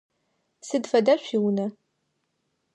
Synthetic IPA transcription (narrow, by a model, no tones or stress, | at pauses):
sɨdfɐdɐɕʷiwnɐ